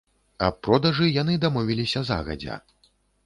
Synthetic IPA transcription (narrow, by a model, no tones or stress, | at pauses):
ɐpːɾɔd̪ɐʐɨjanɨd̪amɔvʲilʲisʲɐza̰ɣɐ̰d͡zʲɐ̰